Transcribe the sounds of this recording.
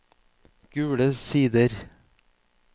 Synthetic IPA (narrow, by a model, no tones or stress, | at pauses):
ɡ̥ʉːɽəsiːd̪əɾ